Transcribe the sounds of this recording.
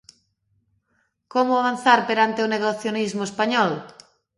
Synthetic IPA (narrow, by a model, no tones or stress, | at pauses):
komoaβ̞anθaɾpeɾant̪eoneɣoθjonizmoespaɲɔl